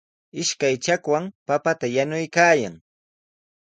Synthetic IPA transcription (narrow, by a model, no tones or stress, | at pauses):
ɪʃkajt͡ʃakwaŋpapat̪ajanʊjkaːja̰ŋ